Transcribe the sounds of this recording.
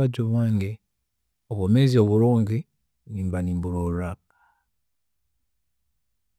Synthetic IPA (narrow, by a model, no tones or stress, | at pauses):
aɟoβwaːŋɡe | oβomezio̞βuɾuːŋɡi | niːmbaniːmbuɾoɾa | a